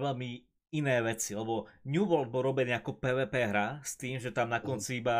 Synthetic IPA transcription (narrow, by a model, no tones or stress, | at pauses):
ʋɛlmi | inɛːʋɛt͡sialɛbɔɲjuːʋɔld̪̚bɔɾɔbɛniːakɔpɛːʋɛːpɛːɦɾast̪iːmʒɛt̪amnakɔnt͡siiba